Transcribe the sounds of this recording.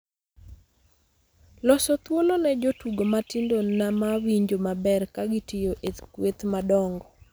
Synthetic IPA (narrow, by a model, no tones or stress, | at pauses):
lɔsɔt̪wolonɛd͡ʒotuɡomatindonamawiɲd͡ʒomabɛrkaɡɪtijoʔet̪kwet̪madɔŋɡɔ